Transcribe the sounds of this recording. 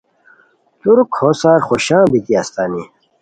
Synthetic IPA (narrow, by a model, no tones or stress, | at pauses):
t̪uɾkʰosaːɾχoɕãːbit̪iɐst̪aːni